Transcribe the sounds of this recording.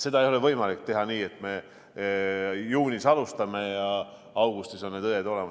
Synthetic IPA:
se̞d̪̥ɑe̞jo̞le̞vɤ̞jmɑlik̚t̪e̞ɦɑniːe̞t̪ːme̞ | juːnʲisɑlust̪ɑme̞jɑ | ɑwɡ̥ust̪iso̞nned̪ɤjed̪o̞le̞mɑ

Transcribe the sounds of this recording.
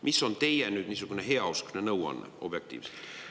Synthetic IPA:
mʔisːo̞nt̪e̞jenyːd̪̥niːsuɡ̥uneɦeɑuskunenɤwɑ̰nːḛo̞b̥jek̚t̪ḭːvse̥

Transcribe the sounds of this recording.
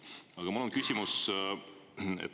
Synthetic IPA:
ɑɡ̥ɑmulonkysʲimus | ḛt̪ː

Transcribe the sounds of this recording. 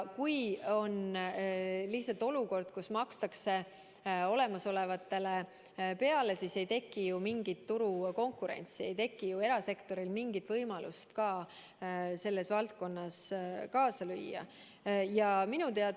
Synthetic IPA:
kujo̞n | liht̪sɑlt̪ːˑo̞luko̞rd̪̥kusmɑkst̪ɑkse̞ | o̞le̞mɑso̞le̞vɑt̪ːe̞le̞ | pe̞ɑle̞sise̞jt̪e̞kːˑijumiŋɡ̥it̪ːuɾuko̞ŋkuɾe̞̰nʲt̪sie̞jt̪e̞kːijue̞ɾɑse̞kt̪o̞ɾilmiŋɡit̪vɤjmɑlust̪kɑː | se̞lːe̞svɑlt̪̚ko̞nːɑskɑːsɑlyjːɑ̰ | jɑminut̪eɑ

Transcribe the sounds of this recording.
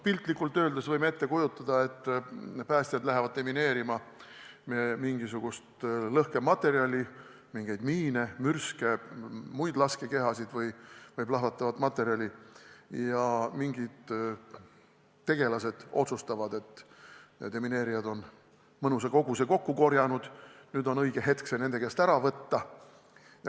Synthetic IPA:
pilt̪ˑlikːˑult̪ːˑø̞ːld̪̥esvɤjmeet̪ːe̞kujut̪ːˑɑd̪̥ɑe̞t̪ːˑpæːsʲt̪ijɑd̪læɦevɑd̪̥̚t̪e̞mine̞ːɾimɑmemiŋɡ̥isuɡ̥ust̪lɤhkemɑt̪ːˑe̞ɾiɑlʲi | miŋɡ̥e̞jd̪̥miːne̞myrskemujd̪̥lɑskeke̞ɦɑsid̪̥vɤjvɤjplɑɦvɑt̪ːˑɑvɑd̪mɑt̪ːˑe̞ɾiɑlʲijɑmiŋɡid̪̥ | t̪ːe̞ɡ̥e̞lɑse̞d̪̥o̞t̪sust̪ɑvɑd̪e̞t̪ː | d̪emine̞ːɾijɑd̪o̞n | mɤnus̬eko̞ɡuse̞ko̞kːuko̞rjɑnud̪̥nyːd̪o̞nɤjɡ̥e̞ɦe̞t̪kse̞ne̞ne̞kæst̪æɾɑvɤt̪ːɑ

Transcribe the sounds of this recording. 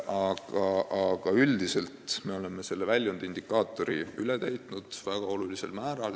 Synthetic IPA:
ɑɡ̥ɑʔɑɡ̥ɑyld̪̥ise̞lt̪me̞o̞le̞mːese̞lːevælʲːjond̪̥ind̪ikːˑɑːt̪ːˑo̞ɾḭylet̪æjt̪ˑnud̪̥væɡ̥ɑo̞lulise̞lmæːɾɑl

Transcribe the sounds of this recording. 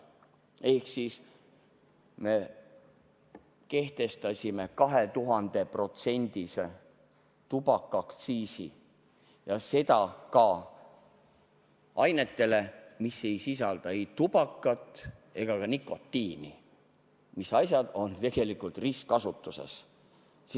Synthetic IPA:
e̞hksis | me̞ | ke̞ht̪e̞st̪ɑsʲime̞kɑɦe̞t̪uɦɑnd̪̥e̞pro̞t̪se̞nʲd̪̥ise | t̪ubɑkːˑɑkt̪siːsḭ | jɑse̞t̪ɑkɑ | ɑjne̞t̪ːe̞le̞misːe̞jsis̬ɑld̪̥ɑe̞jt̪ub̥ɑkːˑɑt̪ːˑe̞ɡ̥ɑkɑnikːo̞t̪ːiːnḭ | misɑjsʲjɑd̪̥o̞nt̪e̞ɡ̥e̞likult̪riskkɑsut̪ːuse̞̰s

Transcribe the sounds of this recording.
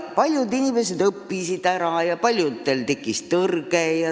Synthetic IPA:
pɑlʲjud̪inime̞se̞d̪ɤpːisid̪̥æɾɑjɑpɑlʲjut̪ːelt̪e̞kːˑist̪ːɤrɡ̥ejɑ

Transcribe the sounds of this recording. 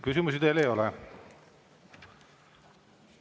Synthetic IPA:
kys̬ʲimus̬id̪̥elejo̞lɛ

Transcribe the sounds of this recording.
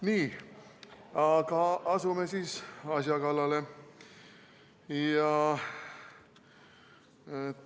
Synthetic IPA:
niː | ɑkɑɑsumesiːsɑsjɑkɑlːɑle | jɑ

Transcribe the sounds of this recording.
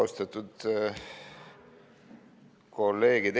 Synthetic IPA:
ost̪ɑt̪ud̪̥ | kolːe̞ːɡid̪

